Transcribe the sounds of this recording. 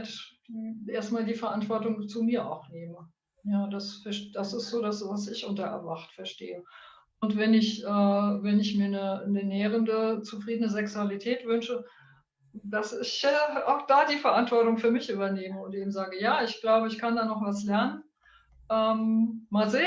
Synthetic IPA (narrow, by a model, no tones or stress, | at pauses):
t | ʔeːɐstmaːldiːfɛɐʔantv̥ɔɐtʊŋt͡sumiːɐa̰ʊxneːmə | jaːdasfɛɐʃd̥asɪstz̥oːdasvasɪçʔʊntɐʔɛ̰ɐvaχtfɛɐʃteːə | ʔʊntv̥ɛnɪçʔɛːvɛnɪçmiːɐnənənɛːʁ̞əndət͡sufʁ̥iːdənəzɛksualitʰɛːtv̥ʏnʃə | d̥asɪçʔːa̰ʊxd̥aːdiːfɛɐʔantv̥ɔɐtʊŋfyːɐmɪçʔyːbɐneːməʊntʔeːbm̩zaːɡəjaːɪçɡ̥laʊbəɪçkʰandaːnɔχv̥aslɛɐnən | ʔɛːmːaːlzeː